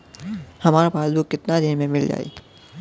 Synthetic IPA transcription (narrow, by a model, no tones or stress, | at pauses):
hɐmaːɾapaːsbukːɪt̪nad̪ɪnmẽmɪld͡ʒa̰ːḛː